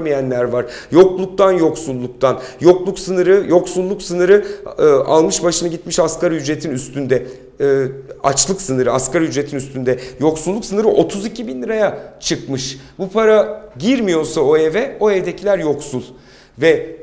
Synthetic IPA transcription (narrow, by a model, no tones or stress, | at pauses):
mijænlʲæɾvaɾ̥ | jo̞klˠuk̚t̪ʰanjo̞ksulˠːuk̚t̪ʰanjo̞klˠuksɯnɯɾɯjo̞ksulˠːuksɯnɯɾɯːʔa̰lˠmɯʃbaʃɯnaɟit̪miʃaskaɾjyd͡ʒɾe̞t̪ʰinyst̪ʰynd̪ɛː | a̰t͡ʃlˠɯksɯnɯɾɯaskaɾjyd͡ʒɾe̞t̪ʰinyst̪ʰynd̪ɛjo̞ksulˠːuksɯnɯɾɯʔo̞t̪ʰuzicʰibinlʲiɾajat͡ʃʰɯkmɯʃ | bupʰaɾaɟiɾmijo̞ɾsao̞evɛo̞evd̪ecʰilʲæɾjo̞ksulˠ | vɛ